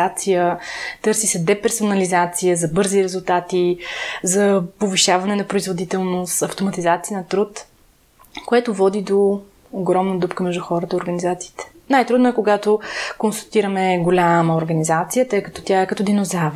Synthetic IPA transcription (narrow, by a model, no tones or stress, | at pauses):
at̪sijət̪ɤɾsisɛd̪ɛpɛɾsʊnɐlizat̪sijəzɐbɤɾziɾɛzʊlˠt̪at̪izɐpoviʃavɐnɛnɐpɾoizvod̪it̪ɛlˠnost̪ɐft̪omɐt̪izat̪sijənɐt̪ɾut̪ | koɛt̪ovɔd̪id̪oː | ɡɾɔmnəd̪upkəmɛʒd̪uxɔɾət̪əioɾɡənizat̪si̥ːt̪ɛ̥ | najt̪ɾud̪nʊɛkoɡat̪okonsɐt̪iɾəmɛɡolʲaməoɾɡɐnizat̪sijət̪ɤjkət̪ɔ̥t̪ʲjaɛkɐt̪ɔd̪inozav